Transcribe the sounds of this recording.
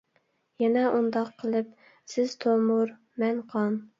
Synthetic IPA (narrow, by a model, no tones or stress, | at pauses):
jɛnɛʔund̪ɑqʰːəlˠɨp̚ | sɪz̥t̪ʰomʊɾ | mɛnqʰɑn